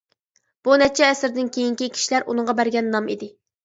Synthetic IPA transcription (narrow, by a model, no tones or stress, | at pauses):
b̥unɛt͡ʃʰɛːsɪɾd̪ɪnkʲʰejiŋkʲikʲʰi̥ʃilæɾʔunɨŋʁɑbæɾɡʲɛnːɑmid̪ɪ